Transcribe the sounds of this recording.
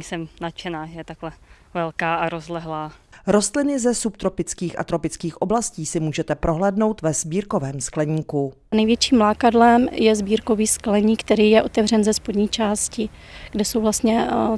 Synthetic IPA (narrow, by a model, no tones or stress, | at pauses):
isɛmnat͡ʃɛnaːʒɛjɛt̪aklɛ | vɛlkaːaɾozlɛɦlaːɾo̞st̪lɪnɪzɛsup̚t̪ɾo̞pɪt͡skiːxʔa̰t̪ɾo̞pɪt͡skiːxʔo̞blasciːsɪmuːʒɛt̪ɛpɾʔo̞ɦlɛːdno̞wt̪vɛz̥biːɾko̞vɛːmsklɛɲiːku | nɛjvjɛt͡ʃiːmlaːkadlɛmjɛzbiːɾko̞viːsklɛɲiːkt̪ɛɾiːjɛʔo̞t̪ɛvr̝ɛnzɛspodɲiːt͡ʃaːscɪ | ɡ̥dɛsowvlast̪ɲɛ